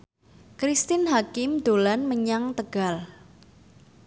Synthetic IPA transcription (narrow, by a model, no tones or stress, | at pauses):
kɾist̪ɪnɦakɪmd̪̥olanməɲaŋt̪əɡ̥a̤l